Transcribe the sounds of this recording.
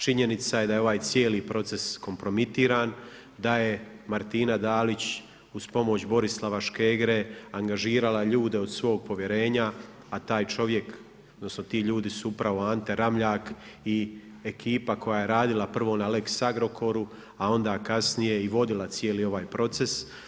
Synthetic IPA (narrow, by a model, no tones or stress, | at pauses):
t͡ʃiɲe̞nit̪saje̞d̪aje̞o̞ʋaːjt̪sje̞ːlipɾo̞t̪se̞sko̞mpɾo̞mit̪iːɾaːn | d̪aje̞ | maɾt̪iːnad̪aːlit͡ɕ | uz̥po̞mo̞t͡ɕbo̞ɾislˠaʋaʃke̞ːɡɾeaŋɡaʒiːɾalˠaʎuːd̪e̞od̪sʋo̞ːɡ̚po̞ʋje̞ɾe̞ːɲaː | t̪aːjt͡ʃo̞ʋje̞k | od̪no̞sno̞t̪iːʎuːd̪isuupɾaʋo̞ant̪e̞ɾamʎaːk | i | ekiːpako̞jaːje̞ɾaːd̪ilˠapr̩ʋo̞naleksaɡɾo̞kʰo̞ɾu | ao̞nd̪aːkasnije̞iʋo̞d̪ilˠat̪sjeːlio̞ʋaːjpɾo̞t̪se̞s